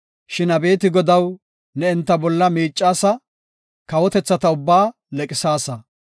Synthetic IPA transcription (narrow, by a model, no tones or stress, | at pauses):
ʃɪnɐbe̞ːt̪ɪɡɔd̪ɐw | nɛɪnt̪ːɐbɔlːɐmiːt͡ʃʼːaːsɐ | kɐwɔt̪ɛt͡sːɐt̪ɐʊbːaː | lɛkʼɪsaːsɐ